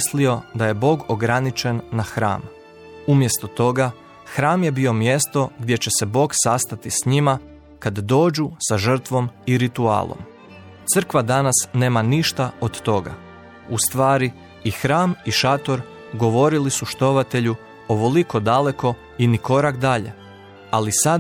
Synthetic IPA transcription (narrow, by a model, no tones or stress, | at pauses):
slio̞d̪aje̞bo̞ːɡoɡɾanit͡ʃe̞nːaxɾa̰ːm | umje̞st̪o̞t̪o̞ɡa | xɾaːmje̞bio̞mje̞st̪o̞ɡd̪je̞t͡ɕe̞se̞bo̞ːɡsast̪at̪isɲima | kad̪d̪o̞ːd͡ʒusaʒr̩t̪ʋo̞miɾit̪ua̰ːlˠo̰m | t̪sr̩kʋad̪anasne̞ːmaniʃt̪aod̪t̪o̞ɡa̰ | ust̪ʋaːɾi | ixɾaːmiʃat̪o̞ɾ | ɡo̞ʋo̞ɾilisuʃt̪o̞ʋat̪e̞ʎu | oʋo̞likod̪ale̞ko̞ | iniko̞ɾakd̪aʎe̞̰ | alisad̪